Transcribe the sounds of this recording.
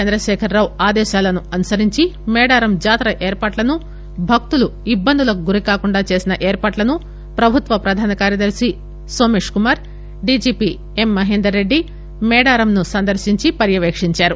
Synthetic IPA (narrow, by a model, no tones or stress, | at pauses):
t͡ʃɐnd̪ɾɐʃɛːkʰɐɾːaːwaːd̪ɛːʃaːlɐnuɐnusɐɾiɲt͡ʃimɛːɽaːɾɐmd͡ʒaːt̪ɾɐʔeːɾpaːʈlɐnu | bʱɐk̚t̪uluibːɐnd̪ʱulɐkuɡuɾikaːkuɳɖaːt͡ʃe̞ːsinɐʔeːɾpaːʈlɐnu | pɾɐbʱut̪ʋɐpɾɐd̪ʱaːnɐkaːɾjɐd̪ɐɾsi | soːmeːʂkumaːɾ | ɖiːd͡ʒiːpi | e̞mːɐɦeːnd̪ɾɐɾe̞ɖːi | mɛːɽaːɾɐmnusɐnd̪ɐɾʃiɲt͡ʃipɐɾjɐʋeːkʂiɲt͡ʃaːɾu